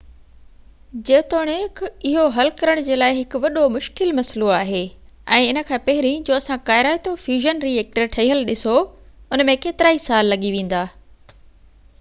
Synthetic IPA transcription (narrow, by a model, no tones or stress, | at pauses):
d͡ʑeːt̪oːɽ̃ekʰɪɦoɦɐlkɐɾəɽ̃d͡ʑeːlaːɪɦɪkʊʋɐɗomʊʃkɪlmɐsloaːɦeː | ɛ̃ːɪnə̆kʰãːpɐɦɪɾĩd͡ʑoːɐsãkaːɪɾaːɪt̪ofjuːʒənɾieːk̚ʈəɾʈʰɐiɦəlɗɪsoʊnmẽkeːt̪ɪɾaːisaːlːɐɠiʋẽːn̆d̪aː